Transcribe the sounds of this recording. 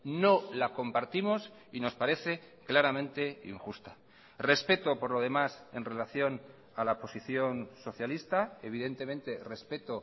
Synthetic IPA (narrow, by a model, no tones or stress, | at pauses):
no̞lako̞mpaɾt̪imo̞s | ino̞spaɾe̞θe̞ | klaɾamẽnt̪e̞ḭŋxust̪a | re̞spe̞t̪o̞po̞ɾlo̞ð̞e̞mase̞nrelaθjo̞n | alapo̞siθjo̞nso̞θjalist̪ae̞β̞iðe̞nt̪e̞mẽnt̪e̞re̞spe̞t̪o̞